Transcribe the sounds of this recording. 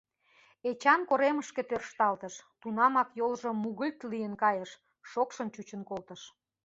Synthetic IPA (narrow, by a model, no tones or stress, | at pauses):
et͡ɕɑnkoɾeməʃket̪ørʃt̪ɑlt̪əʃt̪unɑmɑkjolʒŏmuɣəlʲt̪lijənkɑjəʃː | okʃə̆nt͡ɕut͡ɕənkolt̪ə̆ʃ